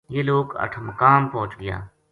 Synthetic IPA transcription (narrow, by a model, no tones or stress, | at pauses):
jeːloːɡə̰ʈʰməkaːmpɔ̃ːʊt͡ʃɡɪja̰ː